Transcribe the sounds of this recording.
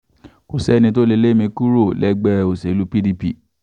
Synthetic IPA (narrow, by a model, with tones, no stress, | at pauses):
ko˨sɛ˦nĩ˧t̬o˦le˧le˦mĩ˧ku˦ɾo˦˨lɛ˦ɡ͡bɛ˦o˨se˨˦lu˦pi˦di˧pi˦˨